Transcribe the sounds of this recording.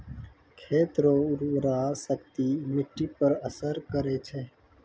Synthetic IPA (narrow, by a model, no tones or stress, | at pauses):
kʰeːt̪ɾoːʊɾɾaːsəkt̪iːmɪʈːiːpəɾəsəɾkəɾeːt͡ʃʰeː